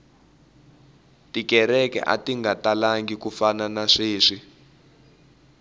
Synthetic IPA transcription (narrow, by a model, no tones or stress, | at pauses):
tikɛɾɛkɛ̰ʔa̰tiŋɡatalaŋɡikufananaʂiːʂi